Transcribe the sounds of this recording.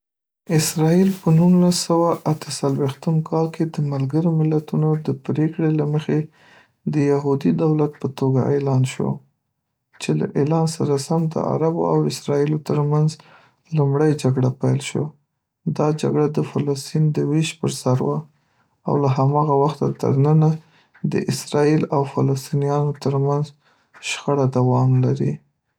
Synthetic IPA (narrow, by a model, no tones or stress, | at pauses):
ɪsɾɑilpənunlasːawaʔat̪ə̥salwext̪əmkʰɑlkʰed̪əmalɡəɾomɪlat̪unod̪əpɾekɽelaməxe | d̪əjaɦud̪id̪awlat̪̚pət̪oɡa̰ʔelɑnʃo̰ | t͡ʃela̰ʔelɑnsaɾasamd̪ə̰ʔa̰ɾabo̰a̰wɪsɾɑilot̪əɾmanz | lumɽəjd͡ʒaɡɽapajlʃo̰ | d̪ɑd͡ʒa̰ɡɽad̪əfalast̪ind̪əwiʃpəɾsaɾwa | a̰wlaɦamɑɣawaxt̪at̪ə̰ɾnəna | d̪ə̰ʔɪsɾɑilawfalast̪inijɑnot̪əɾmanz | ʃxaɽad̪awɑmlaɾi